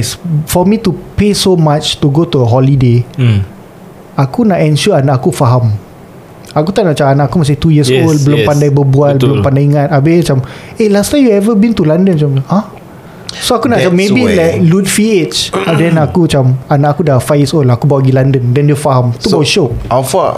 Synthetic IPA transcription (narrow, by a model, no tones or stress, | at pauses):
sfɔmitupesomat͡ʃt̪uɡotuəɦɔlide | akunaʔɛ̃nʃuəanaʔakufaɦam | akut̪aʔnaʔt͡ʃaanaʔakumasɪt̪ujəsolbəlompandajbəbualbəlompandajiŋat̪abet͡ʃam | elast̪amjuɛvəbĩnt̪ulandənt͡ʃama | soakunat͡ʃamːebilaklutfiet͡ʃdɛ̃nakut͡ʃamanaʔakudafafjəsolakubaɡilandəndɛ̃ndɛəfaɦamt̪ubawʃoafa